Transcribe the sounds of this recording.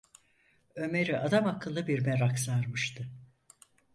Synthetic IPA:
ø̞me̞ɾiʔad̪amakʰːɯlːˠɯbiɾmeɾaksaɾmɯʃt̪ʰɯ

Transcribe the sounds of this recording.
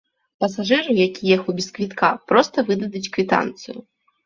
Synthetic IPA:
pɐsaʐɨɾɨjakʲijɛxubʲiskvʲit̪kʰapɾɔst̪ɐvɨd̪ɐd̪ut͡sʲkvʲit̪a̰nt̪sɨju

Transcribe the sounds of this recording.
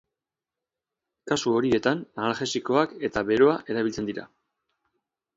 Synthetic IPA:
kasuo̞ɾie̞t̪anːalʝe̞siko̞ake̞t̪aβe̞ɾo̞aʔe̞ɾaβilt͡se̞nd̪iɾa̰

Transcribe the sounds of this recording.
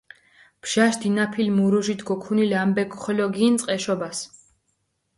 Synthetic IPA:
pʰʃaʃd̪inapʰilmuɾuʒit̪ʰɡɔkʰunilambɛɡχɔlɔɡint̪sʼqʼɛʃɔbas

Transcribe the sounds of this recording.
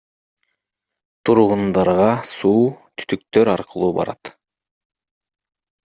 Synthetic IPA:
t̪ʰuɾʁund̪ɑɾʁɑsuːt̪ʰy̥t̪ykt̪øɾɑɾqʰɯlˠuːbɑ̰ɾɑ̰t̪

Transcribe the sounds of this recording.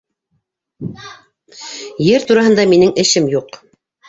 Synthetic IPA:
jɘɾt̪uɾɑɦɤ̆nd̪ɑminɘŋɘ̆ʃɘmjuq

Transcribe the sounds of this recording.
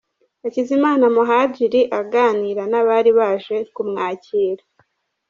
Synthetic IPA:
acizimaːnamuɦaɟiɾiʔaɡaːniːɾanaβaɾiβaːʒe̞kumŋaːciːɾa

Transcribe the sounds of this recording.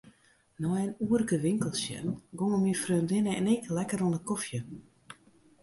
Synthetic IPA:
nɔjənuːərkəʋɪŋkəlˠsjɛ̰nɡoŋəmifrøːndɪnəɛnɪklɛkəɾonəkɔfjə

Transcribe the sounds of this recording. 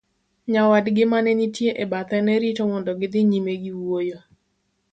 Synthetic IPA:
ɲawadɡɪmanɛnitjeʔebat̪ɛnɛɾitomɔndɔɡɪd̪ɪɲimeɡiwojo

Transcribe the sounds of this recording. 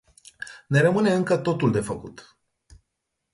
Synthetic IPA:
ne̞ɾəmɨne̞ɨŋkət̪o̞t̪uld̪e̞fəkṵt̪

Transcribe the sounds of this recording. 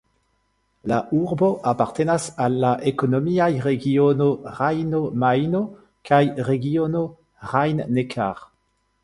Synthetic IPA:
laʔuʁboʔapaʁt̪enasalːaʔekonomiajʁeɡionoʁajnomajno | kʰajʁeɡiono | ʁajnːekʰa̰ʁ

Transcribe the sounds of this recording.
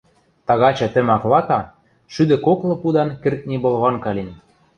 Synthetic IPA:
t̪ɑɣɑt͡ɕɑt̪ɘ̆mɑklɑkɑ | ʃyd̪ɘ̆koklɤ̆pud̪ɑnkɘ̆rk̪̚nʲibɤ̆lˠɣɑnkɑlʲin

